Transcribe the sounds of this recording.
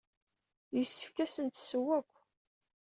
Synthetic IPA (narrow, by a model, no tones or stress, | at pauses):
jəsːəfkæsənt̪səwːækʷː